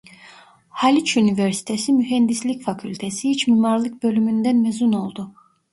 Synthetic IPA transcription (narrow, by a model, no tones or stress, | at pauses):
halʲit͡ʃynivɛɾsi̥t̪ʰesimyɦɛnd̪islʲicfakʰylʲt̪ʰesihit͡ʃmiːmaɾlˠɯk̚bø̞lʲymynd̪ænmezuno̞lˠd̪u